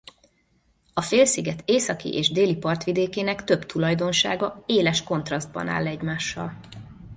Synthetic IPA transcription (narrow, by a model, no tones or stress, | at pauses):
ɒfeːlsiɡɛt̪eːsɒkḭʔeːʒd̪eːlipɒrt̪ʋid̪eːkeːnɛkt̪ø̞bt̪ʰulɒjd̪o̞nʃa̰ːɡɒeːlɛʃko̞nt̪rɒzd̪̚bɒ̰na̰ːlːɛɟmaːʃːɒ̰l